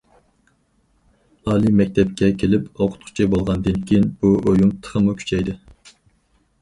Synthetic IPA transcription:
ɑːlˠimɛk̚ʲt̪ʰɛpkʲɛkʲʰelɪpoqʰʊ̥t̪̚qʰʊ̥t͡ʃʰibolˠʁɑnd̪ɨnkʲʰejinb̥uojumt̪ʰə̥χəmukʲʰy̥t͡ʃʰɛjd̪ɨ

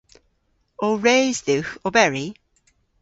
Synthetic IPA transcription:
ɔɹeɪzðʉxɔbɛɹi

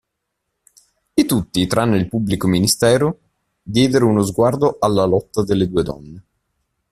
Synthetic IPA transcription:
it̪ut̪ːit̪ɾanːoilpubːlikominist̪ɛːɾo | d̪jɛːd̪eɾeunozɡward̪oʔalːalɔt̪ːad̪elːed̪uːed̪ɔ̰nːe

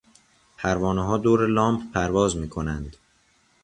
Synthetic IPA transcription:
pʰæɾvɒːneɦɒːd̪oːɾelɒːmpʰpʰæɾvɒːzmiːkʰo̞nænd̪

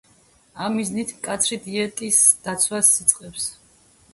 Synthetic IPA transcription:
amːiznit̪ʰmkʼat̪sʰɾid̪iɛt̪ʼisd̪̥at̪sʰwasːit̪sʼqʼɛps

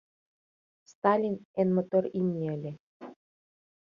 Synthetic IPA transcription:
st̪ɑlʲinenmŏt̪oɾimnʲeə̆lʲe

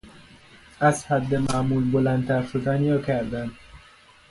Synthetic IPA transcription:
æzhæd̪ːemæmuːlbolænt̪æɾʃod̪æniɾɒːkʲʰæɾd̪ænd̪

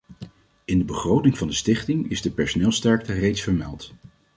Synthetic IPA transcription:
ɪndəbəχrowtɪŋvɑndəstɪχtɪŋɪ̰zdəpɛɹsonɪːlˠstɛɹk̚tərejtsfəɹmɛ̰lˠt

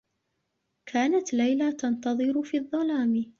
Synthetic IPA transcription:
kʰaːnat̪lajlat̪ɑnt̪ɑðˤɨɾʊfiːðˤːɑlaːmɪ

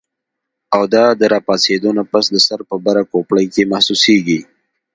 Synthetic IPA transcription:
awd̪ɑd̪əɾɑpɑsed̪onapasd̪əsaɾpəbaɾakopɽəjkemahsuseɡi

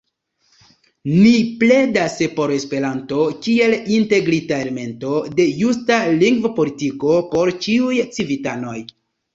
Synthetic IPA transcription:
niple̞daspo̞ɾe̞spe̞ɾanto̞kie̞linte̞ɡɾitae̞leme̞nto̞de̞justaliŋɡvopo̞litiko̞po̞ɾt͡ʃiujt͡sivitano̞j

